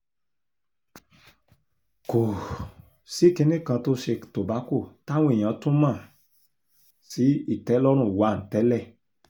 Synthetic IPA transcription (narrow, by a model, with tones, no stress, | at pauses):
ko˨ | si˨˦ki˧nĩ˦kã˧to˦ʃe˧to˨ba˨˦ko˦˨ta˦w̃ẽ˦˨j̃ã˨˦tũ˦mãː˦˨ | si˨˦i˦˨tɛ˨˦lɔ˦ɾ̃ũ˦˨wa˨˦˨n̩˨tɛ˨˦lɛ˦˨